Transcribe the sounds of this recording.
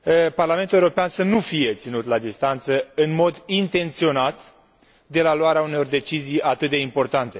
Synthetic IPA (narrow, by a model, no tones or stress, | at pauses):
əparlament̪uleoɾo̞peansənufije̞t̪sinut̪lad̪ist̪ant̪səɨnmo̞d̪int̪e̞nt̪sio̞nat̪ | d̪e̞laloaɾeauneo̞rd̪e̞t͡ʃizijat̪ɨt̪̚d̪e̞impo̞rt̪ant̪e̞